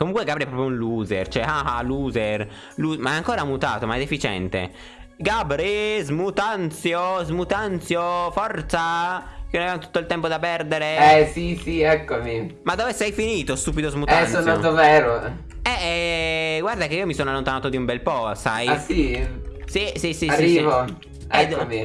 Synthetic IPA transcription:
komuŋkweɡabɾiɛpɾɔp̬jounluːzert͡ʃoɛaaluːzer | luːmaɛaŋkoːɾamut̪a̰ːt̪omaɛd̪efit͡ʃɛ̰nt̪ḛ | ɡabɾezmut̪ant̪sjozmut̪ant̪sjofɔrt̪sakenonaveamot̪u̥t̪ːoilt̪ɛmpod̪apɛrd̪eɾeɛsisiɛkːomimad̪ːoːvesɛjfiniːt̪ost̪uːp̬id̪ozmut̪aɛnonat̪ovɛːɾo | ɛ | ɡward̪akeiomisoːnoalːont̪anaːt̪od̪iumbɛlpɔsajsisisisiaiːsiːvo | ɛd̪omi

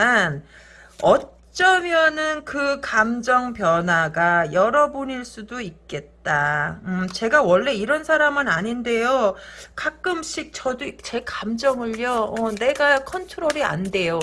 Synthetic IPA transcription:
an | ʌ | t͡ɕ͈ʌmjʌnɯnkɯkamd͡ʑʌŋpjʌnɦwaɡajʌɾʌbuɲiɭs͈udoik̚k͈e̞t̚t͈aɯmt͡ɕe̞ɡawʌɭːe̞iɾʌnsʰaɾamɯnaɲinde̞jokak͈ɯmɕʰik̚t͡ɕʌdot͡ɕe̞kamd͡ʑʌŋɯɭːjʌʌne̞ɡakʰʌntʰɯɾoɾia̰nde̞jo

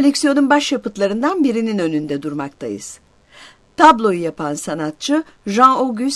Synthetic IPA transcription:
elʲɛksijo̞nunbaʃjapɯt̪lˠaɾɯnd̪anbiɾininø̞nynd̪ɛd̪uɾmak̚t̪ʰa̰jɯ̰z̥ | t̪ʰablˠo̞jujapʰansanat̪̚t͡ʃʰɯ | ʒãnoɡʲys

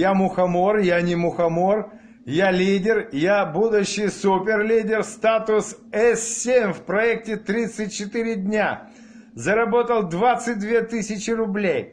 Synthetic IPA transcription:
jamʊxɐmorjanʲɪmʊxɐmor | jalʲidʲɪrjabud̪ʊɕːɪjsupʲɪrlʲidʲɪrst̪at̪ʊsɛssʲemʲfpɾɐɛk̚tʲɪt̪ɾʲit̪sɨt̚ʲt͡ɕɪt̪ɨɾʲɪdʲnʲa | zɐɾɐbo̞t̪əlˠd̪vat̪sɨt̚ʲd̪vʲe̞t̪ɨsʲɪt͡ɕɪrʊblʲej

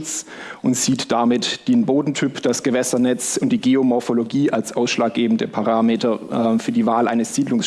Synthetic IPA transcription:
t͡sʔʊntz̥iːtd̥amɪtd̥enboːdn̩tʰypd̥asɡ̥əvɛsɐnɛt͡sʊnt̚d̥iːɡeomɔɐfoloɡiːʔalsʔaʊsʃlaːk̚ɡ̥eːbn̩dəpʰaʁaːmeːtɐfyːɐdiːvaːlʔa̰ɪnəsz̥iːdlʊŋs

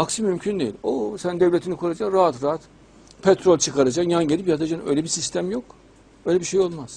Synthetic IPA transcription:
aksimymcʰynd̪ejilʲosænd̪evlʲet̪ʰinikʰuɾad͡ʒakɾaat̪ɾaat̪ | pʰɛt̪ɾolʲt͡ʃʰɯkʰaɾad͡ʒakjanɟelʲipjat̪ʰad͡ʒanø̞̰jlʲebisist̪ʰæmjo̞k | øjlʲebiʃe̞jo̞lˠmaz̥

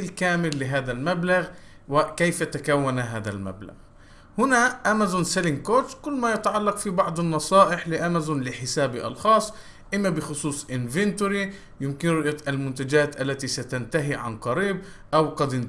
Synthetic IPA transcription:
ɪlkaːmɪlːɪɦaːd̪almablaɣ | wɪkejfat̪akawːanaɦaːd̪a̰lma̰bla̰ɣ | hʊnaʔamazʊnsalɪŋkoːt̪kʊlːmajat̪aʕɑlːɑqfibɑʕd̪ˤɑnːɑsˤɑːʔɪħlɪʔamazʊnlɪħɪsaːbiʔɑ̰lxɑːsˤː | ʔɪmːabɪxʊsˤuːsˤʔɪnvɪnt̪ʊɾi | jɪmkɪnɾʊʔjaʔalmʊnt̪ad͡ʒaːt̪ʔalːat̪isat̪ant̪aɦiʕa̰nqɑɾiːb̚ | ʔawqɑd̪ɪn

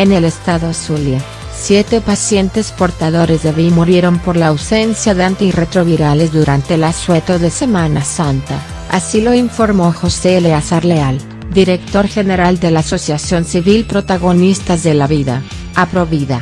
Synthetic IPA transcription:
ene̞le̞st̪aðosulja | sjet̪epasje̞nt̪e̞spo̞ɾt̪aðo̞ɾe̞zðeβimuɾjeɾo̞mpo̞ɾlaːwse̞nsjaðeant̪iret̪ɾo̞βiɾalezðuɾant̪e̞laswet̪o̞ðe̞se̞manasant̪a̰ | a̰silo̞iɱfo̞ɾmo̞xo̞seleasaɾleal | d̪iɾek̚t̪o̞ɾxe̞ne̞ɾald̪e̞laːso̞sjasjo̞nsiβilpɾo̞t̪aɣo̞nist̪azðelaβiða̰ | apɾo̞βiða

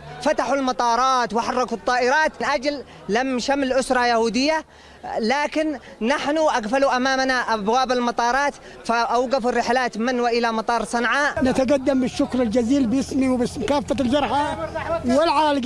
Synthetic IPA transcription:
fat̪aħʊlmɑt̪ˤɑːɾˤɑːt̪wħɑrˤːɑɡʊt̪ˤːɑːʔɪɾɑːt̪nʔad͡ʒl | lamʃamlʔʊsɾˤɑjahuːd̪ɪjːa | laːkɪnː | aħnʊʔaɣfaluʔamaːmnaʔabwaːbɪlmɑt̪ˤɑːɾˤɑːt̪ | faʔawɡafʊrːɪħlaːt̪mɪnwaʔɪlamɑt̪ˤɑːɾˤsˤɑnʕaʔnat̪aɡad̪ːambɪʃːʊkɾɪld͡ʒaziːlbjɪsmiwbɪsmkaːfːald͡ʒɑɾˤħawɪlʕaːlɪɡ

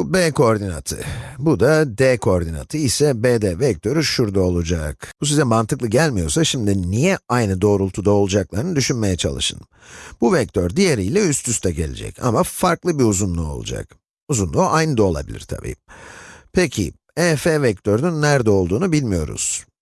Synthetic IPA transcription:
bubeːkooɾd̪ina̰t̪ʰɯ̰bud̪ad̪ɛkʰooɾd̪ina̰t̪ʰɯisɛbeːd̪ɛvɛc̚t̪ʰø̞ɾyʃuɾd̪ao̞lˠud͡ʒakb̥us̬izɛmant̪ʰɯklˠɯɟælʲmijo̞̰ɾsaʃimd̪inijɛajnɯd̪o̞ːɾulˠt̪ʰud̪ao̞lˠud͡ʒaklˠaɾɯnɯd̪yʃynme̞jɛt͡ʃʰa̰lˠɯ̰ʃɯ̰n | buvɛc̚t̪ʰøɾd̪ijeɾijlʲɛyst̪ʰyst̪ʰɛɟe̞̰lʲḛd͡ʒɛ̰ca̰mafaɾklˠɯbiuzunlˠuo̞̰lˠṵd͡ʒa̰k | uzunlˠuʔajnɯd̪ao̞lˠa̰bilʲḭɾt̪ʰa̰bḭː | pʰecʰḭ | ɛfevɛc̚t̪ʰøɾnynːæɾd̪ɛo̞lˠd̪uːnubilʲmijo̞̰ɾṵz̥

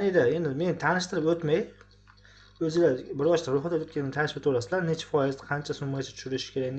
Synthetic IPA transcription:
nid̪ae̞nd̪ɪme̞nt̪ʰanɪʃt̪ɪɾɪpot̪maj | ɵzɪlabɪɾɒʃt̪ʰaɾoχat̪at̪ot̪̚ʲkʲanɪt̪ʰanɪʃbat̪ʰoɾasɪlaɾne̞t͡ʃʰḁfɒjɪzd̪aqʰɑnt͡ʃʰasʊmɡʲat͡ʃʰat̪ʰʊ̥ʃʊɾɪʃɪ̥kʲʰe̞ɾaɡʲn

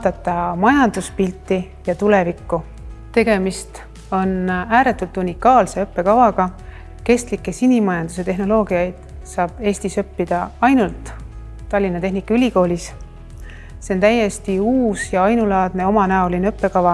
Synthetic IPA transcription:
ɑːd̪̥ɑt̪ːˑɑmɑjɑnd̪̥uspilʲt̪ːˑi | jɑt̪ule̞vikːu | t̪e̞ɡe̞mist̪ | o̞næːɾe̞t̪ːˑult̪ːˑunʲikːɑːlse̞ɤpːe̞kɑvɑɡ̥ɑ | ke̞st̪likːe̞sinʲimɑjɑnd̪̥use̞t̪e̞ɦno̞lo̞ːɡiɑjd̪̥ | sɑːb̥e̞ːst̪isø̞pːid̪̥ɑɑjnult̪ː | ɑlʲːinːɑt̪e̞ɦnikːɑylʲiko̞ːlʲis | se̞o̞nt̪æjːe̞st̪iuːsjɑɑjnulɑːd̪̥̚ne̞o̞mɑnæo̞lineøpːe̞kɑvɑ

